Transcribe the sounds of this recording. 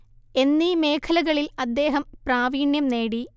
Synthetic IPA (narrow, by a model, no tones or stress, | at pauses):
e̞nːimeːkʰɐlɐɣɐɭilɐd̪ːe̞ːɦɐmpraːʋiːɳjɐmneːɽi